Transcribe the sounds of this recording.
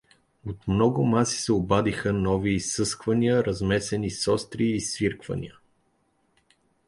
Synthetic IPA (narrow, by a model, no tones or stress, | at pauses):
ot̪mnɔɡʊmasi̥sɛobad̪ixənɔviːsːɤskvɐniəɾɐzmɛsɛnisɔst̪ɾiːsviɾkvɐ̰nʲḭə